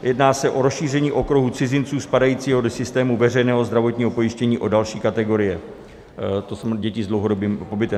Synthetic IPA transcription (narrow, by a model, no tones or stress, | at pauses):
jɛdnaːsɛʔo̞ɾosʃiːr̝ɛɲiːʔo̞kɾuɦut͡sɪzɪnt͡suːspadajiːt͡siːɦodosɪst̪ɛːmuvɛr̝ɛjnɛːɦozd̪ɾavo̞t̪ɲiːɦo̞po̞jɪʃcɛɲiːʔo̞dalʃiːkat̪ɛɡo̞ɾɪjɛ | t̪osoɟɛcɪzdlowɦo̞dobiːmpo̞bɪt̪ɛ